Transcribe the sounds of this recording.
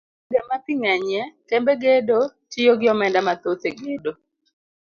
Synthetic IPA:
ɡɛmat̪iŋɛɲɛkembeɡedot͡ʃijoɡɪɔmɛndamat̪ot̪eɡedo

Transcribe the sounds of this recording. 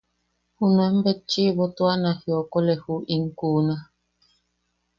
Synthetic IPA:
hunwɛm̩bɛt͡ʃiβɔtwanahjɔkɔlɛhuʔiŋ̩kuna

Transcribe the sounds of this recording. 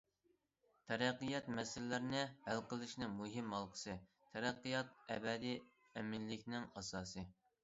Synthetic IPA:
t̪ʰɛɾæqːijɑt̪mɛsɪlɪːɪɾnɪhælqʰəlˠɨʃnɪŋmuɦɪmhɑlˠqʰə̥sɨ | t̪ʰɛɾæqːijɑt̪̚ɛbɛd̪i | ɛmɪnlːɪkʲnɪŋɑsɑːsɨ

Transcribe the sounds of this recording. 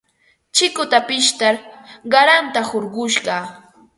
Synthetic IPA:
t͡ʃɪkʊt̪apɪʃt̪aɾɢɑɾant̪ahoɾɢʊʃɢɑ

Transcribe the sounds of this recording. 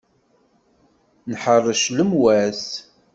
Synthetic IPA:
nħərˤːəʃləmwæs

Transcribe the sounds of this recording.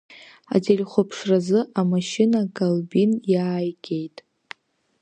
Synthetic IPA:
a̰d͡zelʲχʷʊpʰʂrazɨʔamaʃɪnakʼalbinjaːjɡʲe̞jtʼ

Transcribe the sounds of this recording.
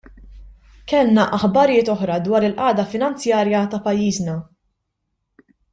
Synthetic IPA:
kɛlnɐʔɐħbɐɾjɪːt̪ɔħɾɐd̪wɐːɾɪlʔɐːd̪ɐfɪnɐnt͡sjɐːɾjɐt̪ɐpɐjːiːznɐ

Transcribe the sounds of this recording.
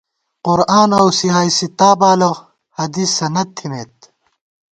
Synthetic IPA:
qʊɾaːnɐwsiɦaːisit̪aːbaːlɐʁ | hɐd̪iːsɐnɐd̪̚t̪ʰːimeːt̪

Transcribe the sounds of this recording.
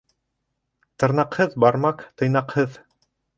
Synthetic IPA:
t̪ɤ̆ɾnɑqhɤðbɑɾmɑqt̪ɤ̆jnɑqhɤð

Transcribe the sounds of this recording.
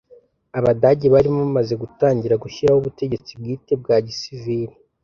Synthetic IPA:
aβadaɟeβaɾimoβamaze̞ɡutaːɲɟiɾaɡuçiɾahuβute̞ɟe̞t͡sib̚ɡiːte̞b̚ɡaːɟisiviɾi

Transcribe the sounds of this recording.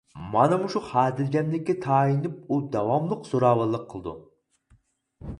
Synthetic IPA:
mɑnɨmuʃuχæːd̪ɪlɡʲɛmlɪkʲːɛt̪ʰɑːinɪp̚ud̪ɑwɑmlˠəqsoɾɑːwəlˠːəqʰːəlˠɨd̪ṵ

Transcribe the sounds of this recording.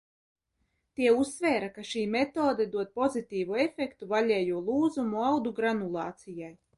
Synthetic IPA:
t̪iɛusːvɛːɾakaʃiːmɛt̪oːd̪ɛd̪uɔd̪̚pɔzit̪iːvuefɛkt̪uvaʎʲɛːjuɔlˠuːzumuawd̪uɡɾanulˠɑːt̪sijaj

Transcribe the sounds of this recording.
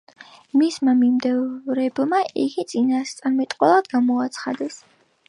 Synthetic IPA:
mismamimd̪ɛɾɛbmaʔiɡit̪sʼinast̪sʼaɾmɛt̪ʼqʼwɛlˠad̪ɡamɔat̪sʰχad̪ɛs

